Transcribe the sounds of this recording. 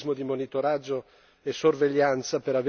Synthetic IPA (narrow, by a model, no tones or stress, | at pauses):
zmod̪imonit̪oɾad͡ʒːo | esorveʎːant̪sapeɾave